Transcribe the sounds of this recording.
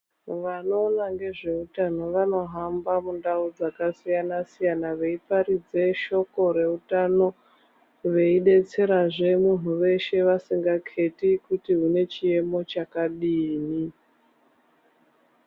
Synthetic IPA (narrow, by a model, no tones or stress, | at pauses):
ʋano̞ːnaŋɡe̞ʐe̞utano̞ʋano̞ɦambamundaud͡zakasijanasijanaʋe̞ipaɾid͡ze̞ʃo̞ko̞ɾe̞utano̞ | ʋe̞iɗe̞t͡se̞ɾaʐe̞mun̤uʋe̞ʃe̞ʋasiŋɡakʰe̞tikutiɦune̞t͡ʃie̞mo̞t͡ʃakaɗiːni